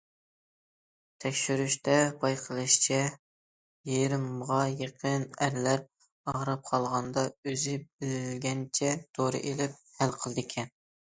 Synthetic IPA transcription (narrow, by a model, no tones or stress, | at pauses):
t̪ʰɛkʲʃyɾyʃt̪ɛbɑjqʰəlˠɨʃt͡ʃʰɛ | jeɾɪmʁɑjeqʰənæɾlæɾ | ɑʁɾɑp̚qʰɑlˠʁɑnd̪ɑøzɪbɪllɡʲɛnt͡ʃʰɛt̪ʰoɾɨ̰ʔelɪp̚hælqʰəlˠd̪ɨkʲʰɛn